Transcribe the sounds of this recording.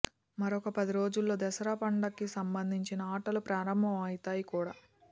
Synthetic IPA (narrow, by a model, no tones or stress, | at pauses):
mɐɾɔkɐpɐd̪iɾo̞ːd͡ʒulːo̞ːd̪ɛsɐɾapɐɳɖɐkːisɐmbɐnd̪ʱiɲt͡ʃinɐaːʈɐlupɾaːɾɐmbʱɐmɐjit̪aːjikuːɽaː